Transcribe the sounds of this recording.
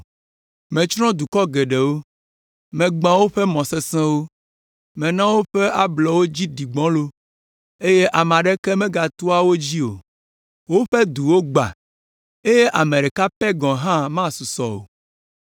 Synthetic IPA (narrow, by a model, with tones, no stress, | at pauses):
mɛ̃˨t͡ʃɾɔ̃˦d̪u˨kɔ˦ɡe˨ɖe˨wo˦ | mɛ̃˨ɡ͡bã˨wo˦ɸɛ˦mɔ̃˨se˦sɛ̃˦wo˦ | mɛ̃˨nã˦wo˦ɸe˦ʔa˦blɔ˨wo˦d͡ʑi˦ɖi˨ɡ͡bɔ̃˦lo˦ | e˦je˦ʔa˨m˨ã˨ɖe˦ke˦mɛ̃˦ɡa˨t̪u˦a˦wo˦d͡ʑi˦o̰˨ | wo˦ɸe˦d̪u˨wo˦ɡ͡ba̰˨ | e˦je˦ʔa˨mẽ˨ɖe˨ka˦pɛ˦ɡɔ̃˨ɦã˦mã˦su˨sɔ˨o̰˨